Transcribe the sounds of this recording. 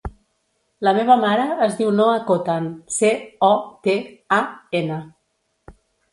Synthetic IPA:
ləmeβ̞əmaɾəːzðiwnoakot̪anseɔt̪eaenə

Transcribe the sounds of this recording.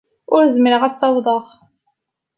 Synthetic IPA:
ʊɾzməɾəʁæt͡sːɑwðˤəʁ

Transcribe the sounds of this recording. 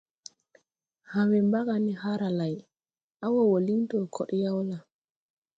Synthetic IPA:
hamɛmbakanihaɾalaj | ʔawɔwolintɔkʰɔ̰ɗjawla

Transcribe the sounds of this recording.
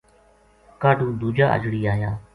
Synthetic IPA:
kaːɖũːd̪uːd͡ʒaːʔə̰d͡ʒɽiːaːjaː

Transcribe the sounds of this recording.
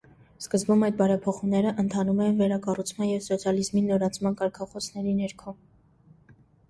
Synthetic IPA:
skəzbumɑjd̪̚bɑɾɛpʰɔχumnɛɾəʔənt̪ʰɑnumɛjinvɛɾɑkɑrut͡sʰmɑnjɛvsɔt͡sʰjɑlizminɔɾɑt͡sʰmɑnkɑɾkʰɑχɔsnɛɾinɛɾkʰɔ

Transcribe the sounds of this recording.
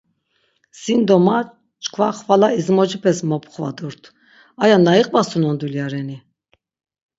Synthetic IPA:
sind̪ɔma | t͡ʃʼkʰvaχvalaizmɔd͡ʒipʰɛsmɔpʰʼχva̰d̪uɾt̪ʰ | ajanaiqʼbasunɔnd̪uljaɾɛni

